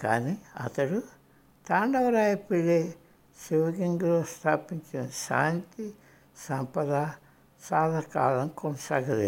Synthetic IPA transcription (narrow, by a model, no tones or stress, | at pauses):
ka̰ːniɐ̰t̪ɐɽu | t̪aːɳɖɐʋɐɾaːjɐpeleː | siʋɐɡiŋɡloːst̪ʰaːpiɲt͡ʃinɐʃa̰ːnt̪i | sɐmpɐd̪a | saːd̪ʱɐka̰ːlɐmkɔnɐsaːɡɐd̪e